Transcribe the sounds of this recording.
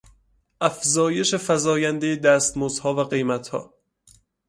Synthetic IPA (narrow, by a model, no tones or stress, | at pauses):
ʔæfzɒːje̞ʃe̞fæzɒːjænd̪ejed̪æːst̪moz̥hɒːvæɢe̞jmæt̪ʰhɒ̰ː